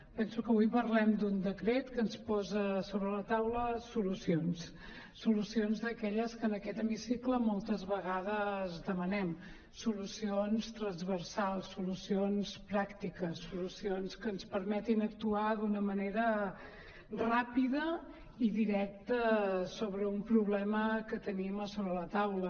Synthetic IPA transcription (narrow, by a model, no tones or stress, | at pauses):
pɛnsukəβujpəɾlɛmd̪und̪əkɾet̪kənspɔzəsoβɾələt̪awləsulusions | sulusionzd̪əkɛʎəskənəkɛt̪əmisikləmɔlˠt̪əzβəɣaðəzðəmənɛm | sulusionst̪ɾənzβərsalˠsulusionspɾakt̪ikəsulusionskənspəɾmɛt̪inək̚t̪uaðunəməneɾə | rapiðə | iðiɾɛk̚t̪əsoβɾəumpɾuβlɛməkət̪əniməsoβɾələt̪awlə